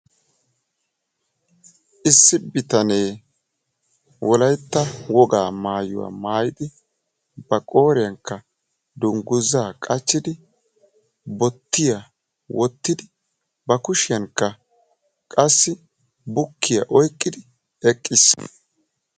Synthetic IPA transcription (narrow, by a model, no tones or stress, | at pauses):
ʔɪsːɪbɪt̪ɐneː | wɔlɐjt̪ːɐwɔɡaːmaːjʊ̰wa̰ːmaːjɪd̪ɪ | bɐkʼo̞ːɾɪjɐŋkːɐ | d̪ʊŋɡʊzːaːkʼɐt͡ʃːɪd̪ɪ | bɔt̪ːɪjɐ | wʔɔt̪ːɪd̪ɪ | bɐkʊʃɪjɐŋkːɐ | kʼɐsːɪ | bʊkːɪjɐʔɔjkʼːɪd̪ɪ | ɛkʼːɪsː